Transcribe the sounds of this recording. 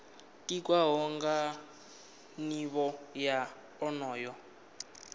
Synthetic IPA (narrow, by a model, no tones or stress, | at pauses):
tʼik̬ʼwaɦɔŋɡa | niβɔja | ɔnɔːjɔ